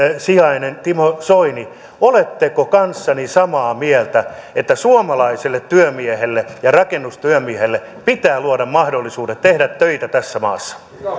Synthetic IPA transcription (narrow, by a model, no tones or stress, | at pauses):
siɑinent̪imosoini | olet̪ːekokɑnsːɑnisɑmɑːmielt̪æet̪ːæsuomɑlɑiselːet̪tyømiehelːejɑrɑkenːust̪yømiehelːe | pit̪æːluoɾɑmmɑhdolːisuːdet̪t̪ehɾæt̪tøit̪æt̪æsːæmɑ̰ːsːɑ̥